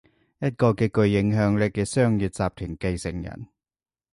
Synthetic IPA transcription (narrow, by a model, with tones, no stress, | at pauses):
jɐ˥t̚kɔː˧kɛː˧kɵ˧ɥːɪ˨˥ŋɦœː˨˥ŋlɛ˥kːɛː˧sœː˥ŋjyː˨t̚t͡saː˨˧p̚t̪ʰyː˨˩ŋke˧jsɪ˨˩ŋjɐ̰˨˩n